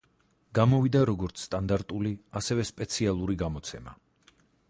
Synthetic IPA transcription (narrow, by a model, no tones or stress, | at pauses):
ɡ̥amɔvid̪aɾɔɡɔɾt̪sʰst̪ʼand̪aɾt̪ʼuliasɛvɛspʼɛt̪sʰialˠuɾiɡamɔt̪sʰɛma̰